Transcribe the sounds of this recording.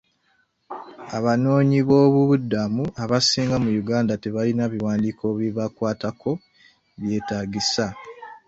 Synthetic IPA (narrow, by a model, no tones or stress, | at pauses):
aβano̞ːɲiβo̞ːβuβudːamuaβasiːŋɡamujuɡaːndateβalinaβiwaːndiːkʰo̞βiβakwaːtakʰo̞ | βje̞ːtaːɡisa